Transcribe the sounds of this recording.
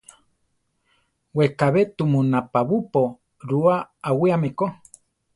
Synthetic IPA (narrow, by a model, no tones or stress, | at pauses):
wekaβet̪umũnapaβupo | ɾuaawiamẽko